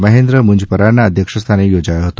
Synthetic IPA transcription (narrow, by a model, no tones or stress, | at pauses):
məɦend̪ɾəmuɲd͡ʑpəɾanːaːd̪ʱjəkʂəst̪ʰanejod͡ʑajəɦot̪o